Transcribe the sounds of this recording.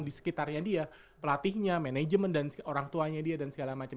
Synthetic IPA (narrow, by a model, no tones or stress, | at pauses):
ŋdisə̥kit̪arɲadia | pəlat̪ihɲamened͡ʒəməndanoɾaŋt̪uaɲadiadansəɡalamat͡ʃə